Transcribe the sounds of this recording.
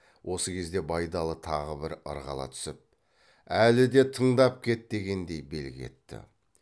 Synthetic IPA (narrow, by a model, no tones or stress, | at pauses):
wʔo̞səkʲʰe̞zd̪e̞bɑjd̪ɑlˠət̪ʰɑʁəbɪɾə̰ɾʁɑ̰lˠɑ̰t̪ʰʏ̥sɪp̚ | ælɪd̪e̞t̪ʰəɴd̪ɑp̚kʲʰe̞t̪̚d̪e̞ɡʲe̞nd̪e̞jbe̞̰lɡʲɪe̞̰t̪ːɪ̰